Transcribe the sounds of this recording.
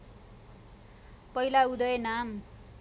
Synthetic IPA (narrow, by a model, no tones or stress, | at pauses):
pʌilaud̪ʌjenam